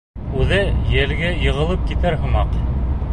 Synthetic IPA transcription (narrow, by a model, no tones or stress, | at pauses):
ʉðɘjɘlɡæjɤ̆ʁɤ̆lˠɤp̚kit̪æɾɦɤ̆mɑq